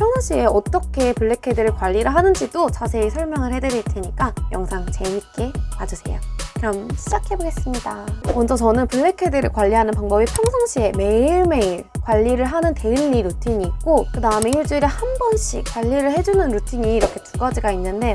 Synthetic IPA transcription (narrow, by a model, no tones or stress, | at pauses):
pʰjʌŋsʰʌŋɕʰie̞ʌt͈ʌkʰe̞puɭːe̞kʰedɯɾɯɭkwaʎːiɾɯɭɦanɯnd͡ʑidot͡ɕasʰe̞isʰʌɭmjʌŋɯɭhe̞dɯɾjʌitʰɯɲik͈ajʌŋsʰaŋt͡ɕe̞ɦik͈e̞mad͡ʑɯsʰe̞̰jo̰kɯɾʌmɕʰid͡ʑakʰe̞boɡe̞s͈ɯmɲidamʌnd͡ʑʌt͡ɕʌnɯnpuɭːe̞kʰe̞dɯɾɯkwaʎːiɦanɯnpaŋbʌbipʰjʌŋsʰʌŋɕ͈ʰie̞me̞iɭme̞iɭkwaʎːiɾɯɭɦanɯnte̞iɭːiɾutʰiɲiːk̚k͈okɯdaɯme̞iɭt͡ɕ͈uiɾehanbʌnɕ͈ʰḭk͈waʎːiɾɯɭhe̞d͡ʑunɯnɾutʰiɲiːɾʌkʰe̞tuɡad͡ʑiɡainːɯnde̞